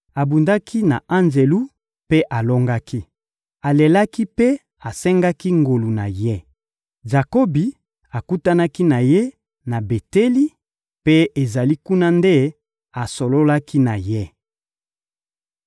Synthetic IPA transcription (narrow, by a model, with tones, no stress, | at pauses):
a˨bu˨nda˦kʰi˦na˨ã˦nze˨lu˦ | pe˦ʔa˨lo˦ŋɡa˦ki˦ | a˨le˨la˦ki˦pe˦ | a˨sɛ˦ŋɡa˦ki˦ŋɡo˨lu˨na˨je˦ | za˨ko˦bi˨ | a˨ku˦ta˦na˦ki˦na˨je˦ | na˨be˨te˦li˦ | pe˦e˨za˨li˦ku˦na˦nde˦ | a˨so˨lo˦la˦ki˦na˨je˦